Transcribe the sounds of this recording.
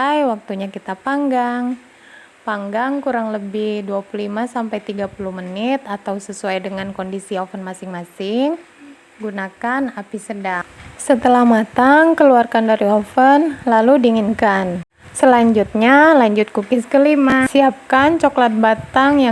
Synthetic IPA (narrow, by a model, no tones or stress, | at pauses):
jwak̚t̪uɲakit̪apaŋɡaŋ | paŋɡaŋkuɾaŋləbɪhduapululimasampajt̪iɡapuluhmənɪt̪at̪awsəsuajdəŋankondisiofənmasɪŋmasɪŋ | ɡunakanapisədaŋsət̪əlahmat̪aŋkəluarkandaɾiofənlaludiːŋinkan | səlaɲd͡ʒut̪̚ɲalaɲd͡ʒʊt̪̚kukɪskəlimasiap̚kant͡ʃoklat̪̚bat̪aŋja